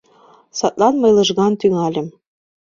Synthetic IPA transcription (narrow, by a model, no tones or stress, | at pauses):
sɑt̪lɑnmɤ̆jlɤ̆ʒɣɑnt̪yŋɑlʲɘ̆m